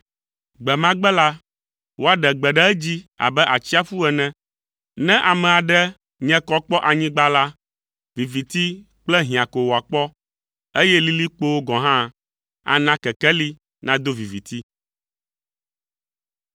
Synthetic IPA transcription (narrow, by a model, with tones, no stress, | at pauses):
ɡ͡bɛ˨mã˦ɡ͡bɛ˦la˦ | wo˦a˦ɖɛ˨ɡ͡bɛ˨ɖɛ˦ɛ˦d͡ʑi˦a̰˨bɛ˦ʔa˨t͡ɕi˦a˦fu˦ɛ˨nɛ̃˦ | nɛ̃˦ʔa˨mɛ̃˨a˨ɖɛ˦ | ɲɛ̃˦kɔ˦k͡pɔ˦ʔa˨ɲĩ˦ɡ͡ba˦la˦ | vi˨vi˨t̪i˦ | k͡plɛ˦ɦĩ˨a˨ko˨wo˨a˨k͡pɔ˦ | e˦jɛ˦li˦li˦k͡po˦wo˦ɡɔ̃˨ɦã˦ | a̰˦nã˦kɛ˨kɛ˦li˦ | nã˦d̪o˦vi˨vi˨t̪i˦